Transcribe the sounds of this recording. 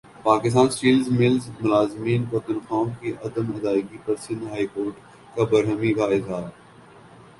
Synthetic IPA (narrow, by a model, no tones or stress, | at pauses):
paːkɪs̬t̪aːnsʈiːlzmɪlzmʊlaːzmiːnpɐt̪ənxaːkiʔɐd̪əmɐd̪aːɪɡipɐɾsɪ̃nd̪ɦaːikoːɾʈ | kabɐɾɦəmikaɪd̪aː